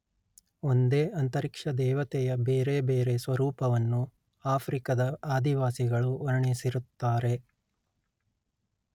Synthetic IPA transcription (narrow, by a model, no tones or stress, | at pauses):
o̞nd̪e̞ːɐnt̪ɐɾikʂɐd̪ɛːʋɐt̪ɛjɐbeːɾe̞ːbeːɾe̞sʋɐɾuːpɐʋɐnːu | aːpʰɾikɐd̪ɐaːd̪iʋaːsiɡɐɭuɐɾɐɳisiɾut̪ːaːɾe̞